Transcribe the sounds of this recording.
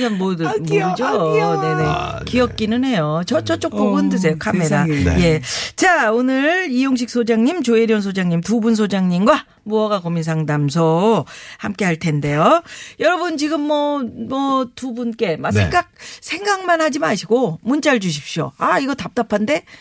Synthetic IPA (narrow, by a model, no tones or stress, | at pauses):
anmodɯd͡ʑone̞ne̞ | kiʌp̚k͈inɯnɦe̞jot͡ɕʌt͡ɕ͈ʌt͡ɕ͈ok̚p͈oɡundɯs̬ʰe̞jokʰamːidaje̞t͡ɕaonɯɭijoŋɕ̬ʰik̚s͈ʰod͡ʑaŋɲimt͡ɕoeɾjons̬ʰod͡ʑaŋɲimtubuns̬ʰod͡ʑaŋɲimɡwa | muʌɡakomins̬ʰaŋdams̬ʰʌhamk͈e̞ɦaɭtʰe̞nde̞jojʌɾʌbɯnt͡ɕiɡɯmːʌmʌtubunk͈e̞masʰe̞ŋɡak̚sʰe̞ŋɡaŋmanhad͡ʑimaɕʰiɡomunt͡ɕ͈aɭd͡ʑuɕ̬ʰi̥p̚ɕ͈o̰aiɡʌtap̚t͈apʰande̞